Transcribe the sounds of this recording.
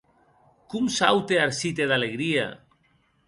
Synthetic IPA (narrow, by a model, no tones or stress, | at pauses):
kumsa̰wt̪eaɾsit̪eðaleɣɾia̰